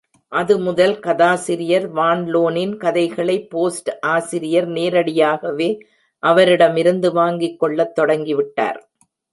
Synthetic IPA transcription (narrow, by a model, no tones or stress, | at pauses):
ʔɐðɯmʊðɐlkɐðaːsɪɾɪjɐɾʋaːɳloːnɪnkɐðɐɪɣɐɭɐɪpːoːsʈʔaːsɪɾɪjɐɾneːɾɐɽɪjaːɣɐʋeː | ʔɐʋɐɾɪɽɐmɪɾɯnd̪ɯʋaːŋɡɪkːɔɭːɐt̪ːɔɽɐŋɡɪʋɪʈːa̰ːɾ